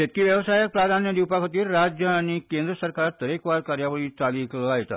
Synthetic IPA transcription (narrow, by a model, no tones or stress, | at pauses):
et̪̚kiːʋjəʋsajək̚pɾad̪ʱanjəd̪iwpakʰət̪iːɾːad͡ʑjəaɽ̃ikend̪ɾəsəɾkaɾt̪əɾekʋaɾkaɾjaʋəɭiːt͡salikləajt̪a̰